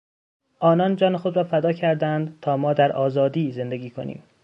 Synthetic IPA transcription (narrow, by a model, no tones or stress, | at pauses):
ʔɒːnɒːnd͡ʒɒːnexo̞d̪ɾɒːfæd̪ɒːcʰæɾd̪ænd̪t̪ʰɒːmɒːd̪æɾʔɒːzɒːd̪iːze̞nd̪eɡiːkʰo̞̰nḭːm